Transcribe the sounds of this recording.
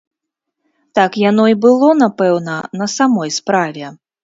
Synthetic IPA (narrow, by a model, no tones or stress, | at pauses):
t̪akjan̪ɔibɨlˠɔnapɛwnɐnɐsamɔjspɾavʲɛ